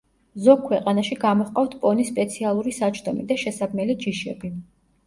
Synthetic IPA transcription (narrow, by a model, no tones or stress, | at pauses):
zɔkʰwɛqʼanaʃiɡamɔχqʼaft̪ʰpʼɔnispʼɛt̪sʰialˠuɾisat͡ʃʰd̪ɔmid̪aʃɛsaɡmɛlid͡ʒiʃɛbi